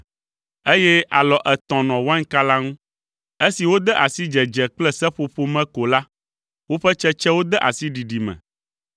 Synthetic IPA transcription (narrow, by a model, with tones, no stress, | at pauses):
e˦jɛ˦ʔa˨lɔ˨ʔɛ˨t̪ɔ̃˨nɔ̃˨wa˦ŋ˦ka˦la˦ŋũ˦ | e˦si˨wo˦d̪ɛ˦ʔa˨si˦d͡ʒɛ˨d͡ʒɛ˨k͡plɛ˦sɛ˦ɸo˨ɸo˦mɛ̃˦ko˨la˦ | wo˦ɸɛ˦t͡ʃɛ˦t͡ʃɛ˦wo˦d̪ɛ˦ʔa̰˨si˦ɖi˨ɖi˨mɛ̰̃˨